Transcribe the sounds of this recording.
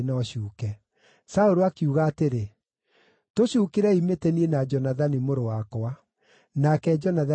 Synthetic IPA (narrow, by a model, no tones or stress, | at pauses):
nɔɕuːkɛ | saoɾoakiuɣaːteɾe | toɕuːkeɾɛimetɛniɛnad͡ʒɔnaðanimoɾowakowa | nakɛd͡ʒɔnaða